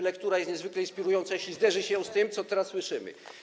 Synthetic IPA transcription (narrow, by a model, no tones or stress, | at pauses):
lɛkt̪uɾajɛst̪ɲɛzvɘklɛinspʲiɾujɔnt̪sajeɕʲizd̪ɛʐɘɕɛ̃st̪ɘmt̪sɔt̪ɛɾasːwɘʂɘmɘ̰